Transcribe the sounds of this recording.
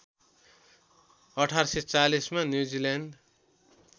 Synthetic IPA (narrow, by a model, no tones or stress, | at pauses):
ʌʈʰaɾset͡salismanjud͡zilanɖ